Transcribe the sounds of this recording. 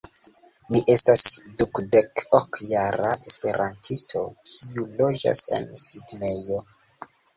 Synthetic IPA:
miʔe̞stasdukde̞kokjaɾaʔespe̞ɾʔantʰistʰo̞̰kʰiulo̞d͡ʒa̰se̞̰nsidne̞jo̞

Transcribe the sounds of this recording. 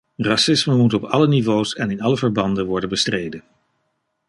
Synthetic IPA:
rɑsɪsməmutɔpɑlənivoːsɛnɪnɑləvəɹbɑndənʋɔɹdənbəstrejdən

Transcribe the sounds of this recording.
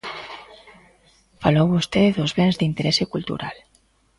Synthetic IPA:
falowβust̪eðozβenzd̪int̪eɾɛsekult̪ṵɾal

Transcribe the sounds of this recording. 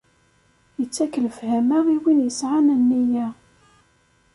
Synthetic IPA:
jət͡sːækːələfhæmaʁiwinjəsʕanənːijæ

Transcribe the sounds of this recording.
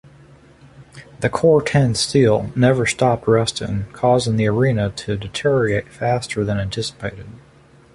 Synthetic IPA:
ðɨkʰɔɹtʰɛ̃nstilˠnɛvə˞stɑp̚t̚ɹɛstɪ̰̃ŋkʰɔzɪ̃ŋðiə˞ĩnɨɾɨdɨtʰɪɛɹieɪtfæstə˞ðɨ̃næ̃ntʰɪsə̥pʰeɪɾɨd̥̚

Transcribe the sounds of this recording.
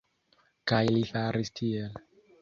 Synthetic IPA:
kajlifaɾistʰiel

